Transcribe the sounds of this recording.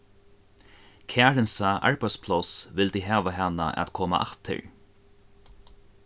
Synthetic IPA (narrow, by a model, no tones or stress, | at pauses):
kʰæːɾɪnsaʔa̰ɹpɛspʰlɔsvɪlt̪ɪɦaːʋaɦanːa̰ʔa̰t̪kʰɔːma̰ʔa̰ht̪ʰɪ̰ɹ